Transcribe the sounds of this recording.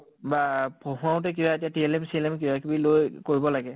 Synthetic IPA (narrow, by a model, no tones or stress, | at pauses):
bapʰoɦʊ̃ãʊ̃tɛk̬ibaetijatiɛlɛmsiɛlɛmk̬ibakibilojkoɹibɔlaɡɛ